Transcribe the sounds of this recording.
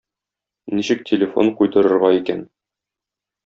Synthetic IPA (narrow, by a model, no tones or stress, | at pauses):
niɕɘk̚tʲʰelʲɪfo̞̰nqujt̪ɤ̆ɾɤ̆ɾʁɑikæn